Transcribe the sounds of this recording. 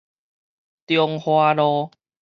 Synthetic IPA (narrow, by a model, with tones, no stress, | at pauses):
t̪jɔ˧ŋhwaː˧lɔː˧